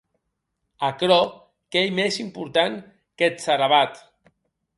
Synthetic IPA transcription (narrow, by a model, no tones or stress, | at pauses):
akɾɔ | kejmesimpuɾt̪aŋ | ket̪saɾaβat̪